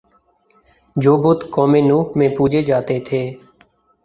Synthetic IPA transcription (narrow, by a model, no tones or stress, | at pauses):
d͡ʒoːbʊt̪koːmẽːnũːmẽːpuːd͡ʒeːd͡ʒaːt̪eːt̪ʰeː